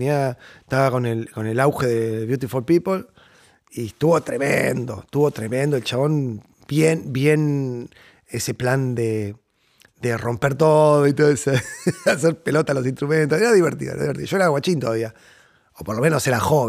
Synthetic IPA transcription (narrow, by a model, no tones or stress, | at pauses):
iat̪aβako̞nelko̞ne̞lawxe̞ðeβjut̪̬ifolpipol | iest̪uβo̞t̪ɾe̞mḛnd̪o̞̰t̪uβo̞t̪ɾe̞mẽnd̪o̞elt͡ʃaβo̞n | bjenbje̞n | esepland̪e | d̪ero̞mpeɾt̪oðoit̪oeseas̬eɾpe̞lo̞t̪alo̞s̬inst̪ɾumẽnt̪oseɾaðiβeɾt̪ḭðo̰ḛɾ̰aðiβeɾt̪ioʃoeɾaawat͡ʃint̪oðaβia | opoɾlo̞mẽ̞noseɾaxoβe